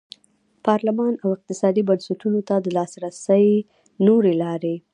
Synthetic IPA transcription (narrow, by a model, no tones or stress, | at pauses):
pɑɾlɪmɑnawɪq̚t̪ɪsɑd̪ibansaʈunot̪ad̪əlɑsɾasəj | noɾelɑɾe